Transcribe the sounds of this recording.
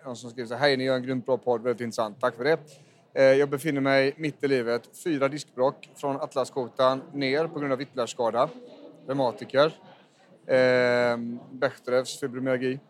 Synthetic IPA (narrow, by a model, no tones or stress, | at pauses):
nɔnsɔmskɾiːvəʂ̬aɦɛjnɪjœːɾɛnɡɾʏnt̪̚bɾɑːpʰɔd̪ːvɛlɪt̪ɪnɾəsant̪ʰːakːfœɖɛ | jɑːɡ̚bɛfɪnːəɾmɛjmɪt̪ːɪliːvət̪fyːɾad̪ɪskbɾɔkːfɾɔnat̪laskʰuːt̪anːeːɾpʰɔɡɾɵnd̪avɪt̪ːlæʂkɑːd̪ḁɾɛmɑːt̪ɪkəɾ | bɛxt̪ɾəsʏbɾʊmaɾɡiː